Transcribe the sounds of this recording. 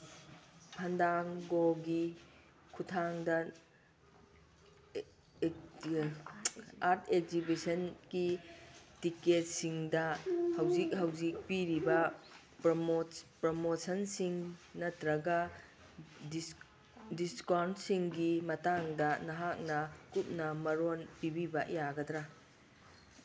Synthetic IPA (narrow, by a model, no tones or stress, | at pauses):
pʰɐndaŋɡoɡi | kʰutʰaŋdɐ | aɾtʰek̚zibisɐnɡitiket̚siŋdɐhɐwzik̚ɦɐwzik̚piɾibɐ | pɾmopɾomosɐnsiŋnɐtɾɐɡɐ | diskawnsiŋɡimɐtaŋdɐnɐɦak̚nɐkup̚nɐmɐɾonpibibɐjaɡɐdɾɐ